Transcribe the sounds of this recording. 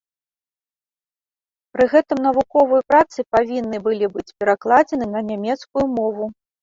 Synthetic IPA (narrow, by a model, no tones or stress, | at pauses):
pɾɨɣɛt̪ɨmnɐvukɔvɐjupɾat̪sɨpavʲinːɨbɨlʲibɨt͡sʲpʲɛɾaklˠad͡zʲɛnɨnɐnʲamʲɛt̪skujumɔvu